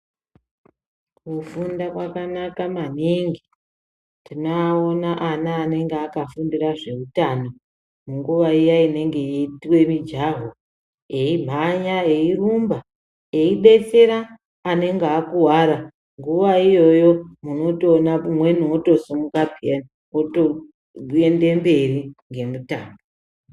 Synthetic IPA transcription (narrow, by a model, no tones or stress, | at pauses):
kufundakwakanakamaniŋɡi | tinaonaʔanaːne̞ŋɡeaːkafundiraʐe̞utano̞ | muŋɡuʋaijaine̞ŋɡe̞jetiwe̞mid͡ʒaɦo | e̞im̤ʱaɲae̞irumba | e̞iɗe̞t͡se̞ɾaː | ne̞ŋɡeakuwaɾa | ŋɡuʋaijo̞jo̞muno̞tonamwe̞nuoto̞sumukabʱien | oo | e̞nde̞mbe̞riŋɡe̞mutaːmbo